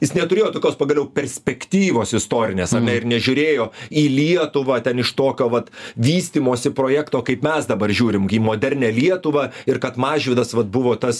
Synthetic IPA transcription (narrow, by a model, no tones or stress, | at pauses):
jɪsnʲɛt̪ʊɾʲeːjoːt̪oːkʲoːspɐɡɐlʲɛʊpʲɛɾʲsʲpʲɛkt̪ʲiːʋoːsɪst̪oːɾʲɪnʲeːsɐnʲɛɪɾnʲɛʒʲʊɾʲeːjoːiːlʲiɛt̪ʊʋɐːt̪ʲɛnɪʃt̪oːkʲoːʋɐt̪ʋʲiːsʲt̪ʲiːmoːsʲɪpɾoːjæːkt̪oːkɐɪpmʲɛsd̪ɐbɐrʒʲuːɾʲɪmiːmoːd̪ʲɛɾʲnʲɛːlʲiɛt̪ʊʋɐɪɾkɐt̪mɑːʒʲʋʲɪːd̪ɐsʋɐt̪̚bʊʋoːt̪ɐs